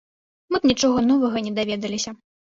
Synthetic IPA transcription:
mɨbnʲit͡ʂɔɣɐn̪ɔvɐɣɐnʲɛd̪avʲɛd̪ɐlʲisʲɐ

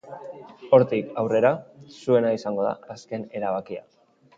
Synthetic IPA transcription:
o̞ɾt̪ikawre̞ɾasue̞naisaŋɡo̞ða̰ːske̞ne̞ɾaβ̞akia̰

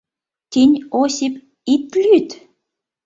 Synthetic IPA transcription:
t̪inʲosip | it̪lʲyt̪

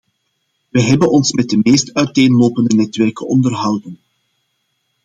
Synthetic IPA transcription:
ʋəɦɛbənɔnsmɛd̚dəmeːstœɥteːnloːpəndənɛtʋɛrkənɔndərɦɑwdən

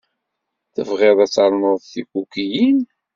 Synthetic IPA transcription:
θə̰vʁeðˤæt͡sːɑɾˤnəðˤθikukijin

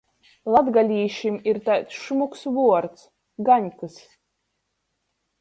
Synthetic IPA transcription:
lˠad̪ɡalʲiːʃimiɾt̪ajt̪sʃumuksvuɔɾt̪s | ɡaɲʲkɨs

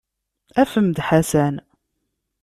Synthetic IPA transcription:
æfəmd̪ħasæn

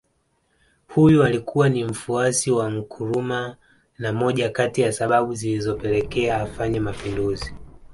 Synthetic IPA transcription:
hujualikʰuwanim̩fuasiwam̩kʰuɾuma | namɔʄakatijasaɓaɓuzilizɔpɛlɛkɛaːfaɲɛmapinduzi

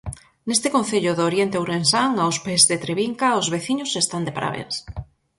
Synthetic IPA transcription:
nest̪ɪkonθeʎʊðoɾjent̪ewɾensaŋawspezðet̪ɾeβiŋkaozβeθiɲʊsest̪and̪epaɾa̰βḛns

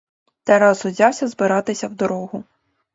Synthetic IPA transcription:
t̪ɛɾɑzɔzʲɑwsʲɐzbɪɾɑt̪ɪsʲɐwd̪ɔɾɔɦʊ

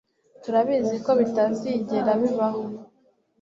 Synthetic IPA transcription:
tuɾaβizikoβitaːnziɟeɾaβiβaŋo

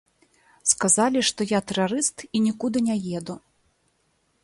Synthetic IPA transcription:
skazalʲiʂt̪ɔjat̪ɛɾaɾɨst̪inʲikud̪ɨnʲɛjɛd̪u

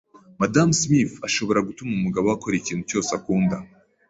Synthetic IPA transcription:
madamsmifaʃo̞βo̞ɾaɡutumumuɡaβowako̞ɾiciːn̥hut͡ʃo̞sakuːnda

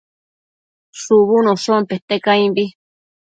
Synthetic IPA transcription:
suβunosompeht̪ekaĩmbi

